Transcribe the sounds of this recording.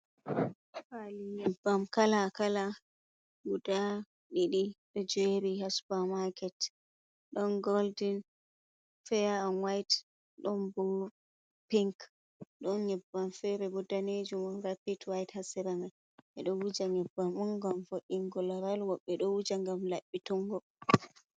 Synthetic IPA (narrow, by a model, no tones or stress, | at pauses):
faliɲɛbːamkalakala | ɡuda | ɗiɗiɗɔd͡ʒɛɾihasbamakʰɛt | ɗɔnɡɔldin | fɛjaɔnwajt | ɗɔnbɔ | piŋk | ɗɔnɲɛbːanfɛɾɛbudaned͡ʒumɔɾapitwajthasiɾaman | ʔɛɗɔwud͡ʒaɲɛbːamɔŋɡamfoɗiŋɡɔlɔɾalwɔɓːɛɗɔwud͡ʒaŋɡamlaɓːituŋɡɔ